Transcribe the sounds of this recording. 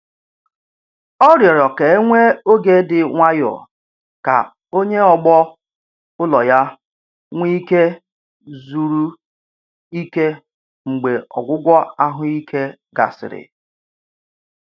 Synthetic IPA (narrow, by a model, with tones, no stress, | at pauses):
ɔ˦ɾjɔ˨ɾɔ˨ke˨˦e˦ŋʷe˦o˦ɡe˨˦dɪ˨ŋʷa˦jɔ̰˨ | ka̰˨ | o˦ɲe˦ɔ˨ɡ͡bɔ˦ | ʊ˦lɔ˨ja˦ | ŋʷi˦ke˦ | zu˨ɾu˦ | i˦ke˦ | ŋ͡m̩˨ɡ͡be˨ɔ̰˨ɡʷʊ˦ɡʷɔ˦a˦ɦʊ˦i˦kʰe˦ | ɡa̰˨sɪ̰˨ɾɪ̰˨